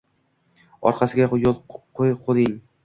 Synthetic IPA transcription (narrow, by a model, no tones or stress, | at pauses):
ɒ̰ɾqʰɑsɪɡʲajolˠqʰojqʰod̪ɪŋ